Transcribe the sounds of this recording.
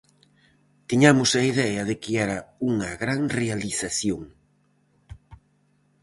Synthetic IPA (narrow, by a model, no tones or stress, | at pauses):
t̪iɲamʊsɐiðɛɐðekeɛɾɐuŋɐɣɾaŋrealiθaθjoŋ